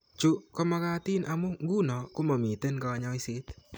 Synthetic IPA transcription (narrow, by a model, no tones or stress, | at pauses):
t͡ʃukɔmakat̪inʔamuŋɡunɔkumamit̪ənkawaɲaisit̪